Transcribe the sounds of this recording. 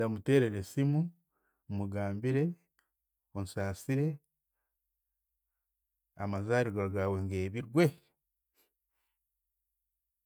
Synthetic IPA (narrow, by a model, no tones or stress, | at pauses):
damute̞ːɾe̞ɾesimu | muɡaːmbiɾe̞ | onusaːsiɾe̞ | amazaːɾiɡaɾɡaːweŋɡeːβiɾɡwe̞